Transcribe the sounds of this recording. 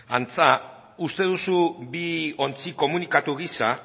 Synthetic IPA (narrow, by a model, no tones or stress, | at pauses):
ant͡sa | ust̪e̞ðusubio̞nt͡siko̞munikat̪uɣisa